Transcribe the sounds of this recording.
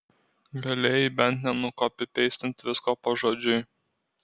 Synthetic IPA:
ɡɐlʲeːjɪbʲɛnʲˑt̪nʲɛnʊkoːpʲɪpʲɛɪsʲt̪ʲɪnt̪ʲʋʲɪskoːpɐʒoːd͡ʒʲʊj

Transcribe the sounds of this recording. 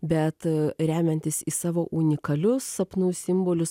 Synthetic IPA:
bʲɛt̪ɾʲæːmʲɛnʲt̪ʲɪsiːsɑːʋoːʔunʲɪkɐlʲʊsɐpnuːsʲɪmboːlʲʊs

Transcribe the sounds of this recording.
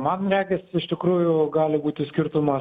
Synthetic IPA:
mɐnɾʲæːɡʲɛsɪʃt̪ʲɪkɾuːjʊɡɑːlʲɪbuːt̪ʲɪsʲkʲɪɾt̪ʊmɐ

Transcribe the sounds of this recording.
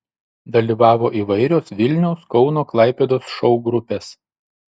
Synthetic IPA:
d̪ɐlʲiːʋɑːʋoːʔiːʋɐɪɾʲoːsʋʲɪlʲnʲɛʊskɒʊnoːklˠɐˑɪpʲed̪oːsʃɔʊɡɾʊpʲeːs

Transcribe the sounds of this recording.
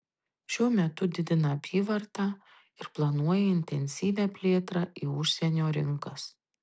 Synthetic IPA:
ʃʲuɔmʲɛt̪ʊd̪ʲɪd̪ʲɪnɐɐpʲiːʋɐɾt̪ɑː | ɪɾplˠɐnuɔjɛɪnʲt̪ʲɛnʲsʲiːʋʲæːpʲlʲeːt̪ɾɑːʔiːʊʃʲsʲɛnʲoːɾʲɪŋkɐs

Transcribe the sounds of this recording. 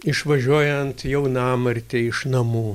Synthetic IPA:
ɪʃʋɐʒʲuɔjɛnt̪jɛʊnɑːmɐɾʲt̪ʲɪɪʃnɐmuː

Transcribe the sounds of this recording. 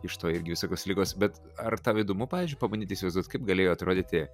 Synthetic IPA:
ɪʃt̪oːɪɾʲɡʲɪʋʲɪsoːkʲoːslʲiːɡoːsbʲɛt̪ | ɐrt̪ɑːʋid̪ʊmʊpɑːʋʲiːzʲd͡ʒʲʊɪpɐmbɐnʲiːt̪ʲɪːsʲɪʋɐɪzd̪uɔt̪kɐɪp̚ɡɐlʲeːjoːɐt̪ɾoːd̪ʲiːt̪ʲɪ

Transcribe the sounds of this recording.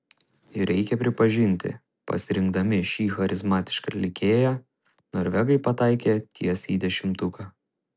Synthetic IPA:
ɪɾʲʔɛɪkʲɛpʲɾʲɪpɐʒʲɪnʲt̪ʲɪ̰ | pɐ̰sʲɪɾʲɪŋɡd̪ɐmʲɪʃʲiːxɐɾʲʔɪzmɑːt̪ʲɪ̥ʃkɐlʲɪkʲeːjæː | noːɾʲʋʲɛɡɐɪpɐt̪ɑɪkʲeːt̪ʲʰiɛsiːd̪ʲɛʃʲɪmt̪ʊkɑː

